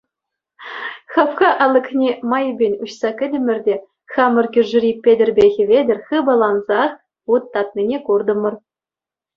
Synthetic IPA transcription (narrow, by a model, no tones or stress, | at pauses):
χɑpχɑʔɑlˠɤ̆knʲemɑjbʲenʲuɕsɑkʲɘ̆dʲɘ̆mʲɘ̆rʲdʲe | xɑmɤ̆rkʲyrʐrʲipʲːedʲerʲbʲeɣʲɘ̆vʲedʲɘ̆rʲxɯbɑlˠɑnzɑχ | ut̪ːɑt̪̚nʲinʲekurd̪ɤ̆mɤ̆r